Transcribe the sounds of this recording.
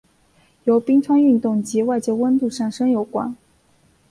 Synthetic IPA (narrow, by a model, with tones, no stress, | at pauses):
jo˧˥ʊpi˥ŋʈ͡ʂʰwa˥ny˥˧nt̪ʊ˥˩ŋt͡ɕi˧˥wa˥˧ɪt͡ɕjɛ˥wə˥nt̪u˥˧ʂa˥˩nʂɤ˥ŋjo˧˥ʊkwa̰˨˩˦n